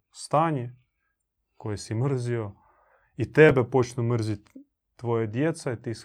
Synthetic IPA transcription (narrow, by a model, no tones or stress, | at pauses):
st̪aːɲe | kojesimr̩zio | it̪ebepo̞t͡ʃnumr̩zit̪ː | ʋojad̪jet̪sait̪is